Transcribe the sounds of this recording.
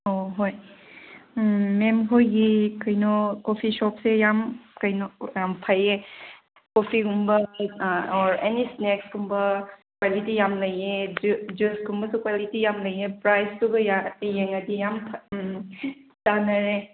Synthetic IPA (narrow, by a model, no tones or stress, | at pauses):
oɦoj | memɦojɡikɐjnɔkopʰisɔp̚sejamkɐjnɔjampʰaje | kopʰiɡumbɐ | ɔɾenisnekskʰumbɐkwalitijamlɐjed͡ʒuskʰumbɐsukwalitijamlɐjepɾajstuɡɐjajeŋɐdijampʰ | tanɐɾe